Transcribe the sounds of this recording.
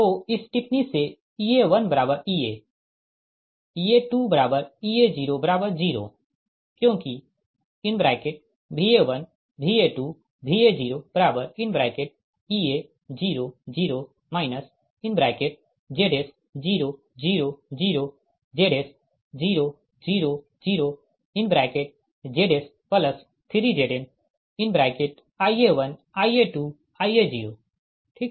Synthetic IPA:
t̪oɪsʈɪpnise | ieʋənbəɾaːbəɾiːe | ieʈuːbəɾaːbəɾied͡ʒiːɾobɐɾaːbəɾd͡ʒiːɾo̰ː | kjõːki | ɪnbɾaːɪkeʈ̚ | bʱiːeʋən | bʱiːeʈu | bʱiːed͡ʒiːɾob̥ɐɾaːbəɾɪnbɾaːɪkeʈ̚ | ie | d͡ʒiːɾod͡ʒiːɾo | maːɪnəs | ɪnbɾaːkeʈ̚ | d͡ʒeːɽes | d͡ʒiːɾo | d͡ʒiːɾod͡ʒiːɾo | d͡ʒeːɽeːs | d͡ʒiːɾo | d͡ʒiːɾo | d͡ʒiːɾo | inbɾaːkeʈ̚ | d͡ʒeːɽes | pɐləs | t̪ʰiɾid͡ʒeːɖen | inbɾakeʈ | aːjeʋɐn | aːjeʈuː | aːied͡ʒiːɾoː | ʈʰik

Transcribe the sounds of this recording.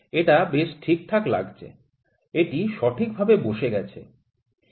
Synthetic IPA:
eʈabeʃʈʰik̚t̪ʰakla̰ɡt͡ɕʰḛ | eʈiʃɔʈʰik̚bʱabeboʃeɡɛt͡ɕʰḛ

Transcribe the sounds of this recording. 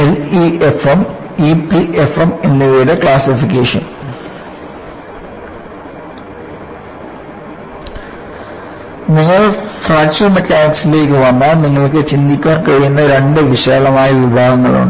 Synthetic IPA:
eliefem | ipiʔefemenːuʋejɽekɭaːsifikʲːeːʂɐ̰n | niŋːɐɭfraːsumɐtːaːjksile̞ːkːɨʋɐnːaniŋːɐɭk̬ːɨt͡ɕind̪ikʲːaːrkɐɻijunːɐɾe̞ɳɖɨʋiɕaːlɐmaːjɐʋibʱaːɡɐŋːɐɭṵɳɖɨ

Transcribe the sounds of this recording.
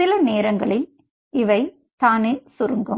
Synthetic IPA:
ɪlɐneːɾɐŋɡɐɭɪl | ɪʋɐɪ | t̪aːneːsʊɾɯŋɡɯ

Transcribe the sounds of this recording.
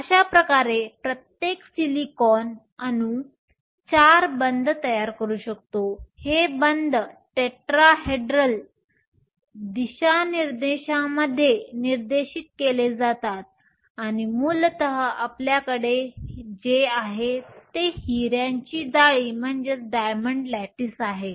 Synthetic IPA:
əɕapɾəkaɾepɾət̪jeksilikɔn | anu | t͡ɕaɾbənd̪ʱt̪əjaɾkəɾuːɕəkt̪ohebənd̪ʱʈeʈɾaɦeɖɾəl | d̪iɕaniɾd̪eɕãməd̪ʱːjeniɾd̪eɕiːt̪̚keled͡zat̪at̪̚ | aɽ̃imult̪əɦəapljakəɽed͡ʑeaɦet̪ehiɾjãɲt͡ɕiːd̪aɭiːm̤əɳd͡zeɖajməɳɖlæʈiːsaɦe

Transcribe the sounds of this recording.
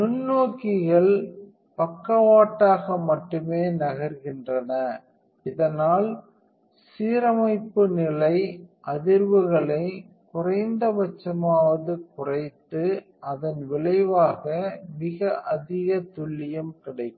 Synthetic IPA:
nʊnːoːkɪɣɐɭ | pɐkːɐʋaːʈːaːɣɐmɐʈːɯmeːnɐɣɐɾɣɪndrɐnɐ | ɪðɐnaːl | siːɾɐmɐɪpːɯnɪlɐɪʔɐðɪɾʋɯɣɐɭɐɪ | kʊrɐɪnd̪ɐbɐt͡ʃːɐmaːʋɐðɯkʊrɐɪt̪ːɯ | ʔɐðɐnʋɪɭɐɪʋaːɣɐmɪɣɐʔɐðɪɣɐt̪ʊɭːɪjɐmkɪɽɐɪkːɯ

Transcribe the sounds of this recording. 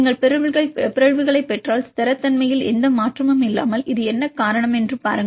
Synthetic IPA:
ɪŋɡɐɭpɛɾɯʋɯɣɐɭpɪɾɐɻʋɯɣɐɭɐɪpːɛʈraːlst̪ɐɾɐt̪ːɐnmɐjɪlɛnd̪ɐmaːʈrɐmɯmɪlːa̰ːmɐlɪðɯɛnːɐkaːɾɐɳɐmɛndrɯpa̰ːɾɯŋɡɐ

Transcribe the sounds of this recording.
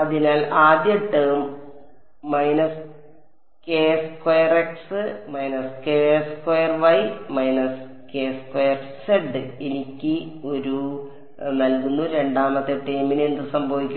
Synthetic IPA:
ɐðinaːlaːd̪jɐʈːɐːmː | ɐjnɐs | keːskojɐreksɨmɐjnɐskeskojɐrʋɐjmɐjnɐs | keːskojɐrseɖːɨenikʲːɨo̞ɾu | nɐlkunːuɾe̞ɳɖaːmɐt̪ːeʈːɐjmineɳɖɨsɐmbʱɐʋikʲːu

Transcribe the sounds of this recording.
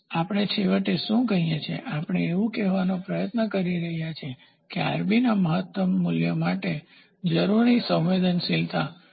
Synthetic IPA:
apɽ̃et͡ʃʰeʋəʈeʃũkəɦijet͡ʃʰḛʔapəɽ̃eːʋũkɛʋanopɾəjət̪nəkəɾiɾəɦjat͡ʃʰe | kea̰ɾbinaməɦət̪ːəmːuljəmaʈe | d͡ʒəɾuɾisə̃wʋed̪ənsilt̪a

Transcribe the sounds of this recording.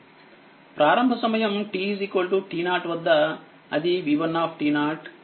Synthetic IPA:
pɾʔaːɾɐmbʱɐsɐmɐjɐmʈiːsikʋɐlʈuʈiːnaːɾʈʋɐd̪ːɐ | ɐd̪iʋiʋɐnːaːpʰʈiːnaːɾʈ

